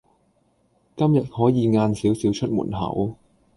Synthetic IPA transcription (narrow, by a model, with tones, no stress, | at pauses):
kɐ˥mjɐ˨t̚hɔː˨˥jiː˨˧ŋaː˧nsiː˨˥wsiː˨˥wt͡ʃʰɵ˥t̚mṵː˨˩nɦɐ̰˨˩w